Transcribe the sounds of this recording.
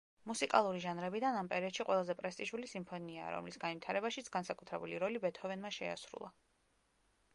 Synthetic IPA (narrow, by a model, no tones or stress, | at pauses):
musikʼalˠuɾiʒanɾɛbid̪anampʼɛɾiɔd̪ʃiqʼwɛlˠazɛpʼɾɛst̪ʼiʃulisimpʰɔniaːɾɔ̰mlisɡanvwit̪ʰaɾɛbaʃit̪sʰɡansakʼut̪ʰɾɛbuliɾɔlibɛt̪ʰɔvɛnmaʃɛa̰sɾṵlˠa̰